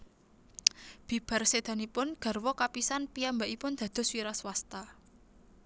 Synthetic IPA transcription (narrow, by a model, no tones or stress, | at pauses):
b̥i̤b̥a̤rsed̪̥a̤nipʊnɡ̥a̤rwɔkapisanpiambaʔipʊnd̪̥ä̤d̪̥ɔ̤swiɾaswast̪a